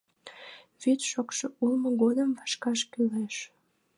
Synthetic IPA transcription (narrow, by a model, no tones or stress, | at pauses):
βyt̪ʃokʃoulmoɣod̪əmvɑʃkɑʃkyleʃ